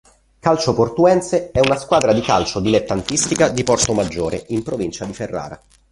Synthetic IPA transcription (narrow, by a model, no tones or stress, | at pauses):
kalt͡ʃoport̪uɛnt̪seɛunaskwaːd̪ɾad̪ikalt͡ʃod̪ilet̪ːant̪ist̪ikad̪ipɔrt̪omad͡ʒːoːɾeimpɾovint͡ʃad̪iferːa̰ːɾa̰